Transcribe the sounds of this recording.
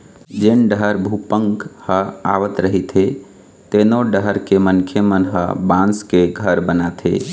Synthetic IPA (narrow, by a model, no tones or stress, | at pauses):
d͡ʒenɖəɾbʱupəŋkhəa̰ʋət̪ɾəɦit̪ʰe | t̪enoɖəɦɾkemənkʰemənɦə̰̃bãnskeɡʱəɾbənat̪ʰḛ